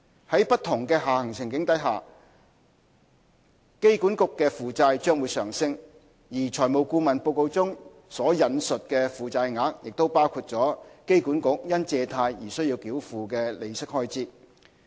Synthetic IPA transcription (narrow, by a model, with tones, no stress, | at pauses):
hɐ˨˥jpɐ˥t̚t̪ʰʊ˨˩ŋkɛː˧ɦaː˨hɐ˨˩ŋsɪ˨˩ŋkɪ˨˥ŋt̪ɐ˨˥jɦaː˨˩ | ke˥jku˨˥nkʊ˨kːɛː˧fuː˨˧t͡saː˧jt͡ʃœː˥ŋwuː˨˧jsœː˨˩ŋsɪ˧ŋ | jiː˨˩t͡ʃʰɔː˨˩jmo˨wkuː˧mɐ˨npo˧wko˧wt͡sʊ˥ŋ | sɔː˨˥jɐ˨˧nsɵ˨t̚kɛ˧fuː˨t͡saː˧jŋaː˨˥k̚jɪ˨k̚t̪o˥wpaː˥wkʰuː˧t̚t͡sɔː˨˥ke˥jku˨˥nkʊ˨k̚jɐ˥nt͡sɛː˧t̪ʰaː˧jjiː˨˩sɵ˥ɥji˧wkiː˨˥wfuː˨kɛː˧le˨˧jsɪ˥k̚hɔː˥jt͡siː˥t̚